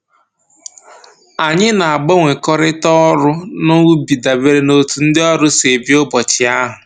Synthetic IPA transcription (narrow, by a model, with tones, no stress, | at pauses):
a˨ɲɪ˦na˨a˨ɡ͡bo˦ŋʷe˨kɔ˦ɾɪ˦tɔ˦ɾʊ˦no˦wu˦bi˨da˨be˦ɾe˦no˨tu˨n̩˦dɪ˦ɔ˦ɾʊ˦se˨bi˦ʊ˦bɔ˨t͡ʃɪ˨a˦ɦʊ˨